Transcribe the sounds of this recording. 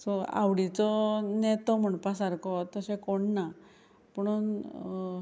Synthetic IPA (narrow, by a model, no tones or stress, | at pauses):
sɔa̰ʋɽit͡sɔnɛt̪ɔm̤əɳpasaɾkɔt̪əsɛ̃koɳːa | pəɽ̃uːn